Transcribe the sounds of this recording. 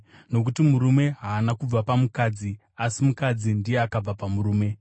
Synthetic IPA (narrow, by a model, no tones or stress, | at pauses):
no̞k̬utimuɾume̞ɦaːnakub͡vapamukad͡zi | asimukad͡zindijeakab͡vapamuɾuːme̞